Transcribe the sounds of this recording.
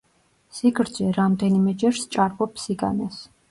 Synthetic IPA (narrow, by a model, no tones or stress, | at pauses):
siɡɾd̪zɛɾamd̪ɛnimɛd͡ʒɛɾst͡ʃʼaɾbɔpʰsiɡa̰nɛs